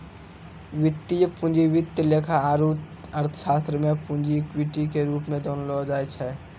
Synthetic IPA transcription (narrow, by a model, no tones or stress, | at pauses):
ʋɪt̪ːijəpʊ̃nd͡ʒiʋɪt̪jəleːkʰaaːɾuːt̪ | əɾt̪ʰə̥ʃaːst̪ɾəmẽpũnd͡ʒikwiʈikeɾuːpmẽd̪oːnolod͡ʒaːjt͡ʃʰɛː